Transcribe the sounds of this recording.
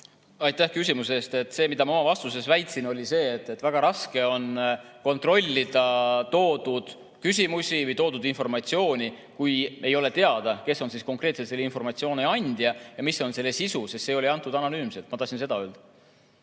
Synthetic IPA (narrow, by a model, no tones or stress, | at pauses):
ɑjt̪ːˑæhkys̬ʲimuse̞ːst̪e̞t̪ːse̞ːmid̪ɑmɑo̞mɑvɑst̪use̞svæjt̪sino̞lʲise̞ːt̪ːˑe̞t̪ːvæɡ̥ɑɾɑske̞o̞n | ko̞nt̪ˑro̞lʲːid̪̥ɑt̪o̞ːd̪̥ud̪̥ | kys̬ʲimusʲivɯjt̪o̞ːd̪ud̪info̞rmɑt̪sio̞ːnʲi | kuje̞jo̞le̞t̪e̞ɑd̪̥ɑke̞sːo̞nsiːsko̞ŋkre̞ːt̪set̪selːinfo̞rmɑt̪sio̞ːneɑnʲd̪̥jɑjɑmisːo̞nse̞lːe̞sisusist̪se̞o̞liɑnt̪ːˑud̪ɑno̞nyːmse̞lt̪mɑt̪ɑsinse̞d̪ɑø̞ːld̪̥